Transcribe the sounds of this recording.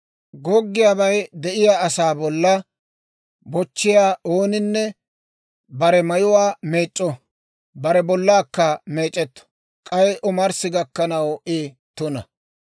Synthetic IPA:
ɡɔɡːɪjaːbɐjd̪ɛʔɪjaːsaːbɔlːɐ | bɔt͡ʃːɪjaːʔoːnɪnːɛ | bɐɾɛmɐjʊwaːme̞ːt͡ʃʼːɔ | bɐɾɛbɔlːaːkːɐme̞ːt͡ʃʼːɛt̪ːɔ̥ | kʼɐjʔɔmɐɾsɪɡɐkːɐnɐwɪ | t̪ʊnɐ̰

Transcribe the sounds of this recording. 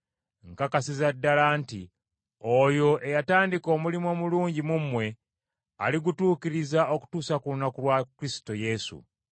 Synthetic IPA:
ŋkakasizadːalanti | ojo̞ʔe̞jataːndiko̞ːmulimo̞muluːɲɟimumːwe̞ | a̰liɡutuːkiɾizao̞ku̥tuːsakulunːakulwakɾistoje̞sṵ

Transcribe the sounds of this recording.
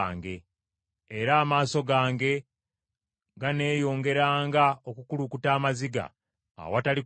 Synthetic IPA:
ŋɡe̞ː | ɾaːmaːso̞ɡaːŋɡe̞ | ɡane̞ːjo̞ːŋɡe̞ɾaːŋɡaokukulukutaːmaziɡa̰ː | watali

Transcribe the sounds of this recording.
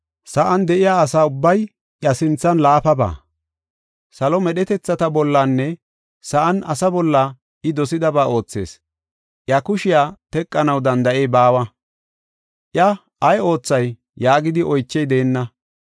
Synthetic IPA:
sɐʔɐnd̪ɛʔɪjaːɐsaːʊbːɐj | ʔjɐsɪnt͡sːɐnlaːpɐba̰ː | sɐlɔmɛɗɛt̪ɛt͡sːɐt̪ɐbɔlːanːɛ | sɐʔɐnɐsɐbɔlːɐ | ʔɪd̪ɔsɪd̪ɐbaːo̞ːt͡sːe̞̰ːs | ʔjɐkʊʃɪjaːt̪ɛkʼːɐnɐwd̪ɐnd̪ɐʔejbaːwɐ | ʔjɐ | ɐjo̞ːt͡sːɐj | jːaːɡɪd̪ɪʔɔjt͡ʃːɛjd̪e̞ːnːɐ

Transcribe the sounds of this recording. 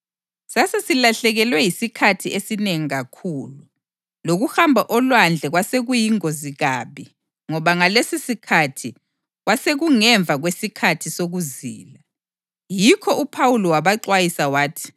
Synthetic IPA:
sasesilaɬɛɣɛlwɛjisikʰatʰiesineŋiɣakʰuːlu | loɣuhambʱaʔɔlwand͡ɮʱɛɣwaseɣujiŋoziɣaβi | ŋɔβaŋalesisikʰatʰi | ɣwaseɣuŋɛɱvʱaɣwesikʰatʰisoɣuzḭːla | jikʰɔʔupʰawulɔwaβaǀwajisawaːtʰi̥

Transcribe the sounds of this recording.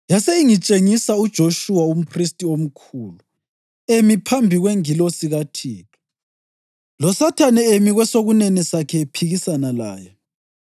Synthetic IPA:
jaseiŋit͡ʃʼeŋisaud̥ʒ̥ʱoʃuwaum̩pʰristʼiom̩kʰuːlu | emipʰambʱiɣweŋilosiɣatʰiːtʰu̥ | lɔsatʰanɛemiɣwɛsoɣunenisakʰɛpʰiɣisanala̰ːjɔ

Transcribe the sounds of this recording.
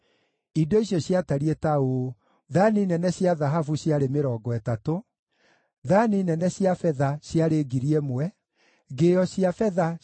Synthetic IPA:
idoiɕjɔɕjataɾietao | ðaninɛnɛɕjaðaɦafuɕjaɾemeɾɔːɡɔɛtato | ðaninɛnɛɕjafɛðaɕjaɾeɡiɾiɛmwɛ | ɡeɔɕiafɛða

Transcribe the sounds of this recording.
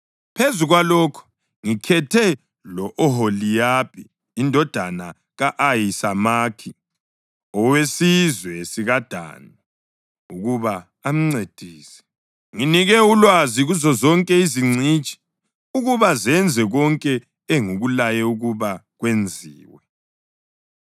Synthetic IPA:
pʰezuɣwalɔːkʰu̥ | ŋikʰɛtʰɛ | lɔʔɔɦolijapʰiː | ndʱɔd̥ʱana | ɣaʔajisamaːkʰi | ɔwesizwɛsiɣad̥ʱa̰nɔ | uɣuβa | am̩ŋ͡ǀed̥ʱiːsɛ̥ | ŋiniɣɛulwaziɣuzɔzɔŋkʼɛiziŋ͡ǀit͡ʃʼi̥ | uɣuβazɛnd͡zʱɛɣɔŋkʼɛ | eŋuɣulajɛuɣuβaɣwend͡zʱiːwɛ

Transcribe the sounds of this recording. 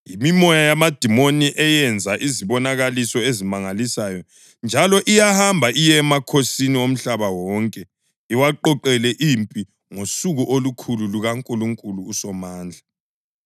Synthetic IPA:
jimimɔjajamad̥ʱimoniʔɛjɛnd͡zʱaʔiziβɔnaɣalisɔezimaŋalisajɔ | nd͡ʒʱalɔʔijahambʱaʔijɛmakʰosiniwom̩ɬaβawɔŋkʼɛ | iwaǃɔǃɛlɛʔimpʼi | ŋosuɣuʔolukʰululuɣaŋkʼuluŋkʼuluːsɔmaːnd͡ɮʱa

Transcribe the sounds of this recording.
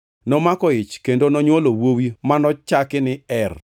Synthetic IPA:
nɔmakɔɪt͡ʃkendonɔɲwolowowimanɔt͡ʃakɪnɪɛr

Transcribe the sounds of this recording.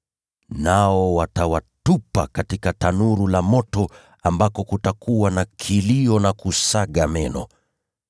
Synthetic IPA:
naɔwatawatupakatikatanuɾulamɔtɔ | ambakɔkutakuwanakʰiliɔnakusaɠamɛnɔ̰

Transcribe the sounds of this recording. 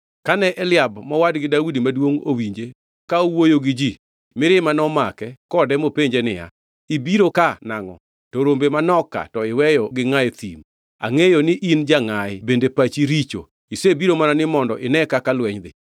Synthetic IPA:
kanɛʔɛlɪabmɔwadɡɪdawudimadwoŋowiɲd͡ʒe | kaowojoɡɪd͡ʒi | mɪɾɪmanɔmakɛkɔdɛmopeɲd͡ʒenɪ̰ja̰ | ibiɾokanaŋɔ̰ | toɾombemanɔka̰tɔɪwɛjɔɡɪŋajt̪ḭm | a̰ŋejonɪʔind͡ʒaŋaɪbendepat͡ʃiɾit͡ʃo̰ | isebiɾomanɔnɪmɔndɔʔɪnɛkakalwɛɲd̪ɪ

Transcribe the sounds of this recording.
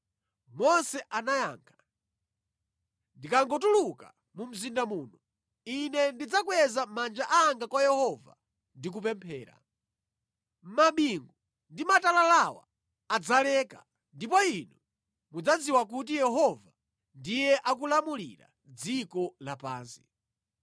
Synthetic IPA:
mɔnsɛʔanajaːŋkʰḁ | ndikaŋɡɔtuluka | mum̩zindamuːnu | inɛndid͡zakwɛzamand͡ʒaʔaŋɡakwajɛhɔva̰ | ndik̬up̬ɛmpʰɛ̰ːɾa̰ | maɓiŋɡu | ndimatalalawa̰ː | d͡zalɛːka̰ | ndipɔinu | mud͡zad͡ziwak̬ut̬ijɛɦɔva | ndijɛʔak̬ulamulḭɾa̰ | d͡zikɔlapa̰ːnsi̥

